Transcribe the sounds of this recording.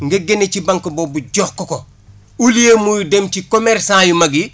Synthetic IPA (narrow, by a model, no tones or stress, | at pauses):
ŋɡeɡenecibaŋkobobuɟoːxkoko | ulijemujudemcikomeɾsãːjumɐɡi